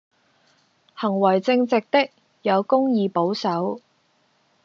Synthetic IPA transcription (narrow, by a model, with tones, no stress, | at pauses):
hɐ˨˩ŋwɐ˨˩jt͡sɪ˧ŋt͡sɪ˨k̚t̪ɪ˥k̚ | jɐ˨˧wkʊ˥ŋjiː˧po˨˥wsɐ˨˥w